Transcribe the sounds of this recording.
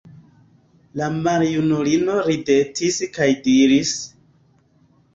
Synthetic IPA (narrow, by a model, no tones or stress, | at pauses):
lamaɾjunulino̞ɾide̞tiskajdiɾis